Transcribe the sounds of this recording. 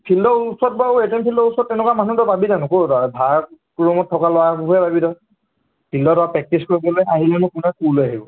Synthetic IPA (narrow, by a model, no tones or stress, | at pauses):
pʰildɔusɔt̚bauetɛmpʰildɔusɔtːɛnɛkuamanutɔbabidanʊkoabʱa | kuɹɔmɔt̚ʰːɔkalɔabubɛbabidɔ | pʰildɔtɔapɹɛk̚tiskoɹibɔlojʔaɦilɛnʊkunɛkuloaɦibɔ